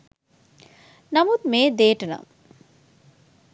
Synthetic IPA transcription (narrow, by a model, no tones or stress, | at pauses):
nɐmut̪̚meːd̪eːʈəna̰m